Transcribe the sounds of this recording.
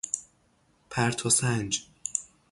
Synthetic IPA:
pʰæɾt̪ʰosænd͡ʒ

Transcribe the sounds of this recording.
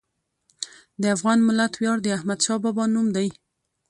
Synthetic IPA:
d̪əafɣɑnmɪlat̪wjɑɽd̪əahmad̪ʃɑbɑbɑnumd̪aj

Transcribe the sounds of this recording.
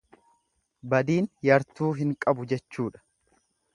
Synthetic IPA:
bɐd̪iːnjɐɾt̪uːɦɪŋkʼɐbʊd͡ʒɛt͡ʃːuːᶑɐ̥

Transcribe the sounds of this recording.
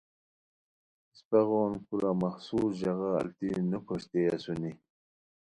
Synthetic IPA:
speɣoːnkuɾamaxsuːsʑaɣa̰ːlt̪inəkʰoʂt̪easuni

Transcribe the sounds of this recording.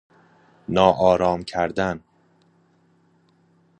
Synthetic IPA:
nɒːʔɒːɾɒːmcʰæɾd̪æn

